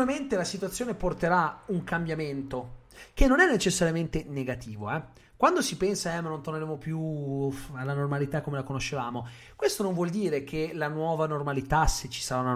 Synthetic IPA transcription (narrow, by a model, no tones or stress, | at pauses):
ament̪elasit̪uat̪sːjoːneport̪eɾauŋkambjament̪ok̟enːonɛnːet͡ʃesːaɾjament̪eneɡat̪iːvoɛ | kwand̪osipɛnsaɛmanont̪orneɾeːmopju | alːanormalit̪akːomelakonoʃːevaːmo | kwest̪onõɱvwɔld̪iːɾek̟ʰelanwɔːvanormalit̪aset͡ʃːi̥saɾauna